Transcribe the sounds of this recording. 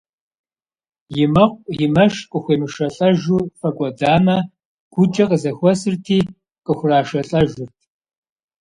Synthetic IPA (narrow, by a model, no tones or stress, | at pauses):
jɪmɐqʷjɪmɐʃqʼəxʷeːmɨʂɐɬʼɐʒufɐkʷʼɔdaːmɐ | ɡ̥ʷʊt͡ʃʼɐqʼəzɐxʷɔsɨrtʰiː | qʼəxʷraːʂɐɬʼɐʒʊrtʰ